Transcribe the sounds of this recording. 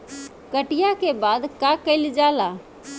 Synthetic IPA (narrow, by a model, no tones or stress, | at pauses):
kəʈijakebad̪kakəɪld͡ʒala